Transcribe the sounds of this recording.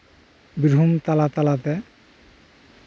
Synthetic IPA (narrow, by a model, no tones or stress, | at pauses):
biɾʱumt̪alat̪alat̪e